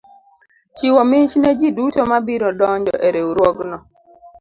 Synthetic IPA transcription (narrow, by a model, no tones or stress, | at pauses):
t͡ʃiwɔmɪt͡ʃnɛd͡ʒidutomabiɾɔdɔɲd͡ʒɔ̰ʔeɾeuɾwɔɡnɔ